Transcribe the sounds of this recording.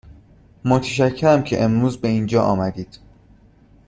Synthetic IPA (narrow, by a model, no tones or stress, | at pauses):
mot̪ʰeʃ̬æcʰːeɾæmcʰe̞̰ʔemɾuːzbe̞iːnd͡ʒɒːʔɒːmæd̪iːd̪̥